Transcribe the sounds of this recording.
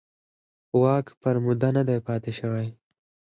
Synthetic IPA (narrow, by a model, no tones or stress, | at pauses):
wɑːkpəɾmʊd̪anad̪ajpɑːt̪eʃɐwaj